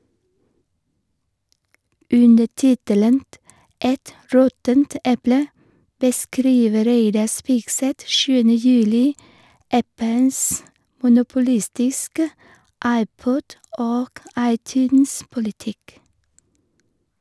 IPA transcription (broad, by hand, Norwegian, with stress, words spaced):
ˈʉndə ˈtɪtələnt ˈʔɛt ˈɾɔtənt ˈɛplə bəˈskɾiːʋə ˈɾeɪdɑ ˈspiːɡˌsɛt ˈʃʉːənə ˈjʉːlɪ ˈʔæpəns mʊnʊpʊˈlɪstɪskə ˈʔɑɪˌpɔd ˈoːk ˈɑɪˌtʉːnspʊlɪˌtɪk